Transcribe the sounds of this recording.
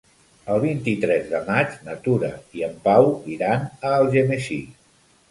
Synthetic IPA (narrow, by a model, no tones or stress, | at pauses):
əlˠβint̪it̪ɾɛzðəmad͡ʒnət̪uɾə̰iəmpawiɾanəːlˠʒemeʃi